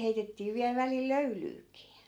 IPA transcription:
heitetːiː ʋiæl ʋælil løylyːkiː

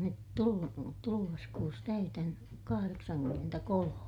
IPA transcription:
nyt tulu tuluʋɑs kuːs tæytæn kɑhɑreksɑnkymːentækolome

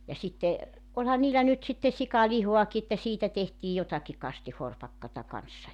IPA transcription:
jɑ sitːe olʲhɑn niːlːæ nyt sitːe sikɑlihoɑki etːæ siːtæ tehtiː jotɑki kɑstihorpɑkːɑtɑ kɑnsːɑ

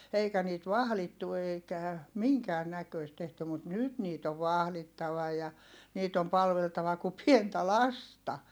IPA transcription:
eikæ niːt ʋɑhlitːu eikæ miŋkæːn nækøist tehty mut nyt niːt oʋ ʋɑhlitːɑʋɑ jɑ niːt om pɑlʋeltɑʋɑ ku pientæ lɑstɑ

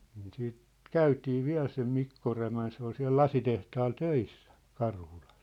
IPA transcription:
niːn siːt kæytiː ʋiæ̝l sem mikːo ræmæn se ol siæ̝l lɑsitehtɑːl tøisːæ kɑrhulɑs

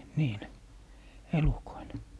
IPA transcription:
niːle elukoile

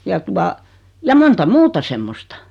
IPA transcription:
jɑ tuɑ jɑ montɑ muːtɑ semːostɑ̥

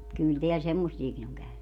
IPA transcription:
kyl teæl semːosːiekin oŋ kæyny

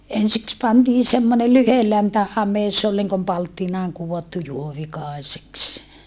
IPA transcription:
ensiks pɑntiː semːone lyhelæntæ hɑmesˑ se ol niŋkom pɑltːinɑːŋ kuʋotːu juoʋikɑˑeseks

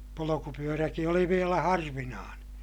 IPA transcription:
polokupyøræki oli ʋielæ hɑrʋinɑːneː

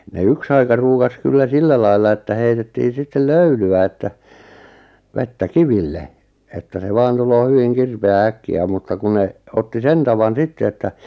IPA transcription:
ne yks ɑikɑ ruːkɑs kylːæ silːæ lɑilːɑ etːæ heitetːiː sitːel løylyæ etːæ ʋetːæ kiʋilːe etːæ se ʋɑːn tuloː hyʋiŋ kirpeæː ækːiæ mutːɑ ku ne otːi sen tɑʋɑn sitːe etːæ

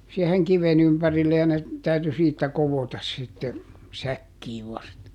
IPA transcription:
sieheŋ kiʋen ympærilːe jɑ ne tæyty siːtːæ koʋotɑs sitːe sækːiːʋ ʋɑstɑ

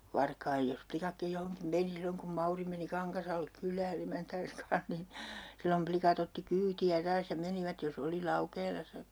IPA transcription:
ʋɑrkɑij jos plikɑkːij johoŋkim meni silːoŋ kum mɑuri meni kɑŋkɑsɑlːek kylˑæːn emæntæːns kɑ̃ːh nin silːom plikɑt otːi kyːtiæ tɑːs jɑ meniʋæt jos oli lɑukeːlɑsːɑ

